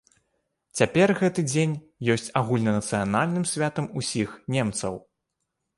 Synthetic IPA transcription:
t͡sʲapʲɛrɣɛt̪ɨd͡zʲenʲ | jɔsʲt͡sʲaɣulʲnɐnɐt̪sɨjanalʲnɨmsʲvʲat̪ɐmusʲixnʲemt̪sɐ̰w

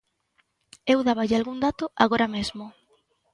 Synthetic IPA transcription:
ewðaβaʎɪalɣuŋd̪at̪ʊʔaɣoɾamezmʊ

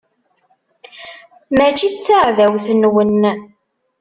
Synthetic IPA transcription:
mæt͡ʃit͡sːaʕðæwθənwən

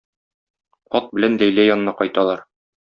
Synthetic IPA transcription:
qɒt̪̚bɘ̆lænlæjlæjɒnɤ̆nɑqɒjt̪ɑlˠɑɾ

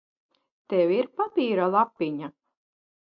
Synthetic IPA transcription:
t̪ɛwʲiɾpapiːɾalˠapːiɲa

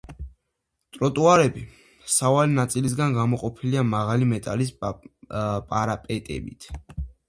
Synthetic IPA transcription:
t̪ʼɾɔt̪ʼuaɾɛbi | savalinat̪sʼilis̬ɡanɡamɔqʼɔpʰiliamaʁalimɛt̪ʼalis̬ | pʼaɾapʼɛt̪ʼɛ̰bḭt̪ʰ

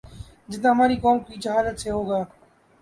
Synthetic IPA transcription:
d͡ʒɪt̪aːɦəmaːɾiːkoːmkiːt͡ʃəɦaːlət̪̚t͡ʃʰeːɦoːɡaː

